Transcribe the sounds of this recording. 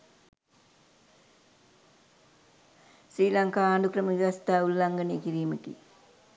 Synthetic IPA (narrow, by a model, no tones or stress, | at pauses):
sɾiːlaŋkaːaːɳɖukrɐmɐʋɐst̪aːulːɐŋɡɐnekiɾiːməkḭ